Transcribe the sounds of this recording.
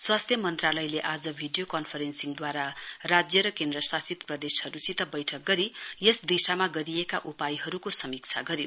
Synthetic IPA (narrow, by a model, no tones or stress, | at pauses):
swast̪ʰjʌmʌnt̪ralʌjleʔad͡zʌbʱiɖijokʌnpʰʌɾensiŋd̪waɾarad͡zjʌɾʌkend̪rʌsasit̪prʌd̪eshʌɾusit̪ʌbʌjʈʰʌk̚ɡʌɾijesd̪isamaɡʌɾiekaʔupajɦʌɾukosʌmikt͡sʰaɡʌɾjo